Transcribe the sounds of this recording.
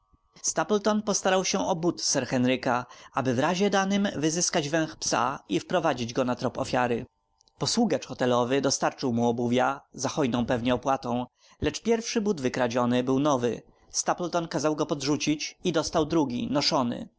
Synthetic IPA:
st̪aplt̪ɔnpɔst̪aɾawɕɛʔɔbut̪sɛɾxɛnɾɘkaabɘvɾaʑɛd̪anɘmvɘzɘskad͡ʑvɛ̃w̃xpsa̰ifpɾɔvad͡ʑid͡ʑɡɔnat̪ɾɔpɔ̰fʲjaɾɘ | pɔswuɡat͡ʂxɔt̪ɛlɔvɘd̪ɔst̪aɾt͡ʂɘwmuɔbuvʲjazaxɔjnɔ̃w̃pɛvɲɛɔpwat̪ɔ̃w̃ | lɛt͡ʂpʲjɛɾfʂɘbud̪vɘkɾad͡ʑɔnɘbɘwnɔvɘ̰ | st̪aplt̪ɔnkazawɡɔpɔd̪ʐut͡ɕit͡ɕid̪ɔst̪awd̪ɾuɡʲinɔʂɔnɘ̰

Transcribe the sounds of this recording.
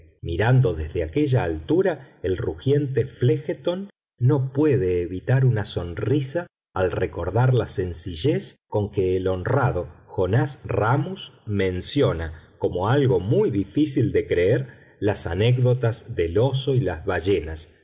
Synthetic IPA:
miɾand̪o̞ðezðeake̞ʒaːlt̪uɾa | elruxje̞nt̪eflexet̪o̞nː | o̞pwe̞ðe̞ːβit̪aɾunaso̞nrisaː | lreko̞ɾðaɾlase̞nsiʒesko̞ŋkeːlo̞nraðo̞xo̞nasramusmẽ̞nsjo̞nako̞mo̞alɣo̞mujðifisild̪e̞kɾeeɾ | lasanekðo̞t̪azðelo̞so̞ilazβaʒenas

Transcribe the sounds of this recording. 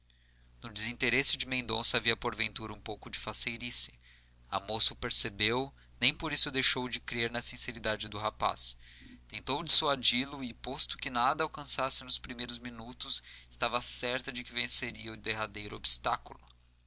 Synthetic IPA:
nʊd͡ʒɪzĩt̪eɾesɪd͡ʒɪmẽnd̪õ̰sɐaviɐpoɾvẽnt̪uɾɐũpowkʊd͡ʒɪfasejɾisɪ̥ | a̰mosʊpeɾsebew | nẽj̃poɾisʊd̪ejʃowd͡ʒɪkɾeɾnɐsĩseɾid̪ad͡ʒɪd̪ʊɦapa̰st̪ẽnt̪owd͡ʒisuad͡ʒilʊɪpost̪ʊ̥kɪnad̪ɐawkɐ̃sasɪnʊspɾimejɾʊzmĩnut̪ʊsɪ̥st̪avɐsɛɾt̪ɐd͡ʒɪkɪvẽseɾiɐʊd̪eɦad̪ejɾʊo̰bist̪akulʊ

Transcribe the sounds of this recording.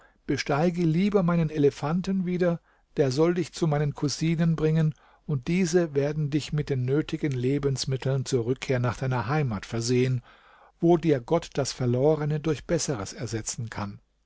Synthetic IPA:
b̥əʃtaɪɡəliːbɐmaɪnəneləfantənviːdɐ | d̥eːɐzɔldɪçt͡sumaɪnənkʰuziːnənbʁɪŋən | ʊnt̚d̥iːzəveːɐdn̩dɪçmɪt̚d̥eːnːøːtʰɪɡənleːbənsmɪtʰl̩nt͡suːɐʁʏkʰːeːɐnaːχd̥aɪnɐɦaɪmaːtfɛɐzeːən | voːdiːɐɡɔtd̥asfɛɐloːʁənədʊɐçb̥ɛsəʁəsɛɐzɛt͡sn̩kʰan

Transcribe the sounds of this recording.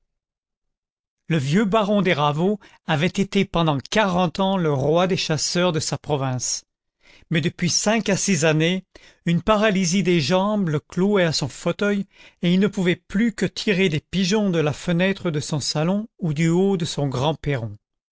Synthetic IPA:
ləvjøbaʁɔ̃d̪eʁavo | avɛt̪et̪epɑ̃d̪ɑ̃kaʁɑ̃t̪ɑ̃ləʁwad̪eʃasœʁd̪əsapχɔvɛ̃s | mɛd̪əpɥisɛ̃kasizane | ynpaʁalizid̪eʒɑ̃bləkloɛasɔ̃fot̪œjeilnəpuvɛplykət̪ʰiʁed̪epiʒɔ̃d̪əlafənɛt̪χəd̪əsɔ̃salɔ̃ud̪yod̪əsɔ̃ɡʁɑ̃peʁɔ̃

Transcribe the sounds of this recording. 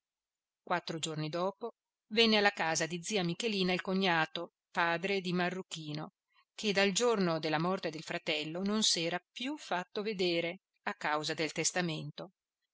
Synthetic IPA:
kwat̪ːɾod͡ʒornid̪ɔːpo | vɛnːealːakaːzad̪id̪zːiːamikeliːnailkoɲːaːt̪o | paːd̪ɾed̪imarːuk̟iːno | ked̪ald͡ʒornod̪elːamɔrt̪ed̪elfɾat̪ɛlːononsɛːɾapjufːat̪ːoved̪eːɾe | akːawzad̪elt̪est̪ament̪o

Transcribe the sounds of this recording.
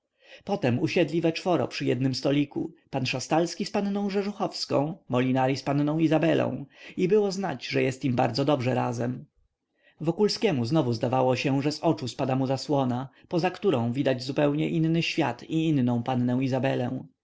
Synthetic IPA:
pɔt̪ɛmuɕɛd̪lʲivɛt͡ʂfɔɾɔ̰pʂɘjɛd̪nɘmst̪ɔlʲikṵpanʂast̪alskʲispannɔ̃w̃ʐɛʐuxɔfskɔ̃w̃mɔlʲinaɾʲispannɔ̃w̃izabɛlʔɔ̰̃w̃ibɘwɔznad͡ʑʐɛjɛst̪imba̰ɾd̪zɔd̪ɔbʐɛɾa̰zɛm | vɔkulskʲɛmuznɔvuzd̪avawɔɕɛʐɛzɔt͡ʂuspad̪amuzaswɔna | pɔzakt̪uɾɔ̃w̃vʲid̪ad͡ʑzupɛwɲɛʔinnɘɕfʲja̰t̪iinːɔ̃w̃panːɛw̃izabɛlɛ̰w̃

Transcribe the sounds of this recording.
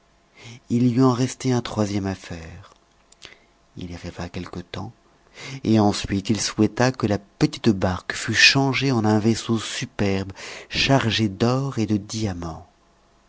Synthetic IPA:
ilyɑ̃ʁɛst̪eɛ̃t̪χwazjɛmafɛːʁ | ḭliʁivakʲɛlkət̪ɑ̃ | eɑ̃sɥit̪ilswɛt̪akəlapət̪i̥t̪baʁkfyʃɑ̃ʒeɑ̃nɛ̃vesosypɛʁbʃaʁʒed̪ɔʁed̪əd̪iamɑ̃

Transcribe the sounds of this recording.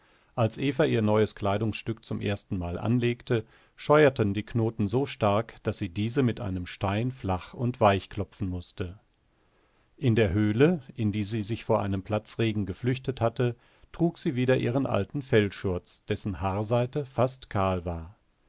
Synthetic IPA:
ʔalsʔeːfɐʔiːɐnɔʏəskl̥aɪdʊŋsʃtʏkt͡sʊmʔḛːɐstn̩maːlʔa̰nleːktə | ʃɔʏɐtəndiːknoːtn̩zoːʃtaɐkd̥asz̥iːdiːzəmɪtʔa̰ɪnəmʃtaɪnflaχʊntv̥aɪçkl̥ɔpp͡fn̩mʊstə | ʔɪndeːɐɦøːləʔɪndiːziːzɪçfoːɐʔaɪnəmpl̥at͡sʁeːɡŋ̩ɡəflʏçtəthatə | tʁ̥uːkz̥iːviːdɐʔiːʁənʔa̰ltn̩fɛlʃʊɐt͡sd̥ɛsn̩haːɐzaɪtəfastkʰaːlvaːɐ

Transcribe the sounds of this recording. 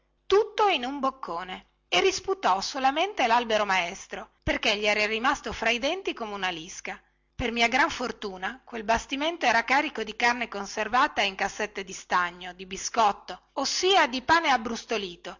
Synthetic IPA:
t̪ut̪ːoinumbokʰːoːne | erisput̪ɔsolament̪elalbeɾomaɛst̪ɾoperkeʎːiɛːɾarimast̪ofɾaid̪ɛnt̪ikomeunaliska | permiːaɡɾaɱfort̪uːnakwelbast̪iment̪oɛːɾakaːɾikod̪ikarnekonservaːt̪aiŋkasːet̪ːed̪ist̪aɲːod̪ibiskɔt̪ːo | osːiːad̪ipaːneabɾust̪oliːt̪o

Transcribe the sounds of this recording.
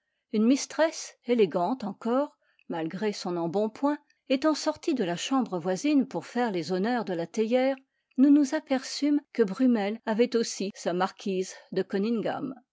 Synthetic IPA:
ynmist̪χɛseleɡɑ̃t̪ɑ̃kɔːʁ | malɡʁesɔ̃nɑ̃bɔ̃pwɛ̃ | et̪ɑ̃sɔʁt̪id̪əlaʃɑ̃bʁəvwazinpuʁfɛʁlezɔnœʁd̪əlat̪ejɛːʁ | nunuzapɛʁsymkəbʁymɛlavɛt̪osisamaʁkʲʰizd̪əkɔniŋɡa̰m

